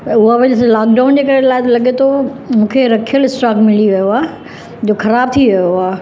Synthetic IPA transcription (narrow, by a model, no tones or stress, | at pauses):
ʊɦaʋɐd͡ʑslaːk̚ɖaːʊnd͡ʑeːkɐɾelaːɪt̪ɐlɐɠet̪ʰomũːkʰeɾɐkʰijəlɪsʈaːkmɪliʋijoaː | d͡ʑoːxɐɾaːb̚t̪ʰiʋɐjoaː